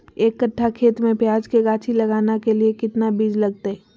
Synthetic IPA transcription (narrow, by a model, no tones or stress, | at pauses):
eːkːɐʈʰːakʰeːt̪mẽpjaːd͡ʒkeɡaːt͡ʃʰilɐɡaːnakeliekɪt̪nabiːd͡ʒlɐɡ̚t̪eɦɛː